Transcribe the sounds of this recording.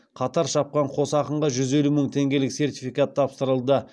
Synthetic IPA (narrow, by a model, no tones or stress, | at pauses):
qʰɑt̪ɑɾʃɑp̚qɑɴqʰo̞sɑqəɴʁɑʒʏze̞luməŋt̪ʰe̞ŋɡʲe̞lɪkse̞rt̪ʲifijkat̪ʰːɑpst̪əɾəlˠd̪ə